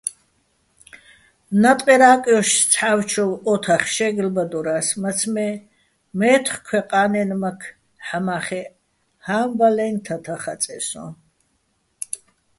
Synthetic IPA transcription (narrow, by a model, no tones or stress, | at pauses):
nat̪ʼqʼɛɾaːqʼjɔʃst͡sʰħawt͡ʃʰɔwɔt̪ʰaχʃɛɡlbad̪ɔɾasmat͡sʰmɛ | mɛt̪ʰχkʰwɛqʼaːnɛnmakʰ | ħamaχɛ | hambalɛnt̪ʰat̪ʰaχat͡sʼɛsɔ